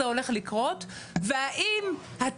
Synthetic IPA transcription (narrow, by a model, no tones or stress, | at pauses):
eo̞le̞χlikʁo̞t | veaʔim | ha